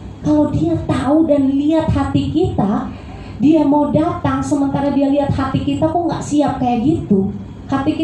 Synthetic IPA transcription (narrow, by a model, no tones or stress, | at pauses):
kalowdiat̪audanliat̪̚hat̪ikit̪a | diamaudat̪aŋsəmənt̪aɾadialiat̪̚hat̪ikit̪akʊŋɡa̰ʔsiap̚kajaʔɡit̪u | hat̪ik